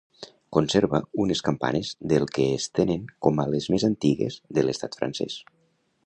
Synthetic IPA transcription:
konseɾβəuneskampa̰nezðelˠkeːst̪eneŋkomalezmezant̪iɣḛz̥ðəlest̪at̪fɾa̰nsɛ̰s

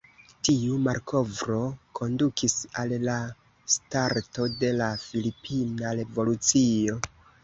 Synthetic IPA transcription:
tiumaɾkʰo̞vɾo̞kʰo̞ndukʰisalːa | staɾto̞de̞lafilipʰinaɾe̞vo̞lut͡sio̞

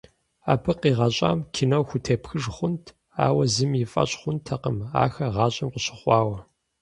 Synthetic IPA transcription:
a̰ːpʰɨqiːʁɑɕʼa̰ːmkʲʰɪnɐwxʷʊtʰeːpxɨʐχʷʊntʰ | a̰ːwɐzɨmjɪfʼɐ̰ɕʼχʷʊntʰːɐqəma̰ːxɐʁɑːɕʼɐmqʷəɕɪ̥χʷɑːwɐ

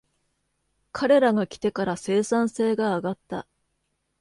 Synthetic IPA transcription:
kʰaɾe̞ɾaɡakʲi̥t̪e̞kaɾase̞ːsãɰ̃se̞ːɡaːɡat̪ːa̰

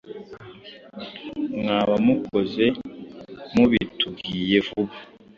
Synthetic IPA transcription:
ŋaːβamukʰoze̞ | muβituɡiːje̞vuβa

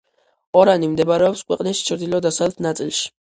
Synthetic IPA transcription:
ɔɾanimd̪ɛbɾɛɔpskʰwɛqʼnist͡ʃʰɾd̪ilɔd̪asalɛt̪ʰnat̪sʼilˠʃi̥

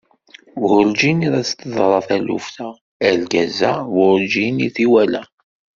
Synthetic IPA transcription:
wʊɾd͡ʒiniðæt͡st̪əðˤɾˤɑθælṵfθæ | ælɡæzæwʊld͡ʒiniθiwælæ

